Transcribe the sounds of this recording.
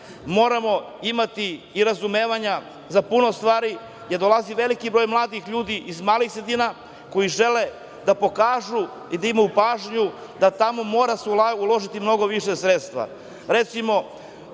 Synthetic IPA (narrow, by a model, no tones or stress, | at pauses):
mo̞ːɾamo̞ | imat̪iː | ɾazumeːʋaɲa | zapuno̞st̪ʋaːɾi | jeɾd̪o̞lˠaziʋe̞likibɾo̞ːjmlˠaːd̪ixʎuːd̪iʔizmaːlixsɾed̪iːna | ko̞jiʒe̞le̞ | d̪apo̞kaːʒu | id̪aimajupaːʒɲud̪at̪amo̞mo̞ːɾaseuulo̞ʒit̪imno̞ɡo̞ʋiʃesɾet̪st̪ʋa̰ | ɾe̞t̪simo̞